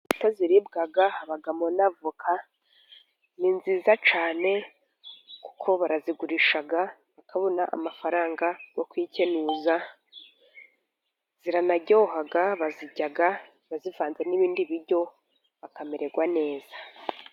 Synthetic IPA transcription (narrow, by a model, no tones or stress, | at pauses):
toziɾibɡaɡaaβaɡamonavukʰa | niːnziːzat͡ʃaːne̞ | ku̥kʰo̞βaɾaziɡuɾiʃaɡa | βakʰaβo̞naʔa̰mafaɾaːŋɡajo̞kwiːce̞nuːza | z̥iɾanaɟo̞ːɦaɡaβaziɟaɡa | βazivaːnze̞niβiːndiβiɾɟo̞ | βakameɾeɡwane̞ːz̥ḁ